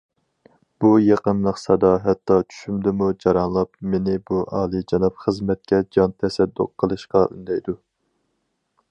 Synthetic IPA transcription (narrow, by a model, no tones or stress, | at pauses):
b̥ujeqənlˠəqsɑd̪ɑɦɛt̪ːɑt͡ʃʰy̥ʃymd̪ɪmud͡ʒɑɾɑnlˠɑpmenɪbuʔɑːlˠɨd͡ʒɑnɑpχəzmɛt̪̚kʲɛd͡ʒɑnt̪ʰɛsɛd̪ːʊ̰qʰːəlˠɨʃqɑʔy̰nd̪ɛjd̪u